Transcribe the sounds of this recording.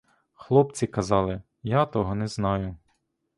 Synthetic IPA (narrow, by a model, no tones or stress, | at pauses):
xlˠɔp̚t͡sʲikɐzɑlˠɪ | jat̪ɔɦɔnɛznɑjʊ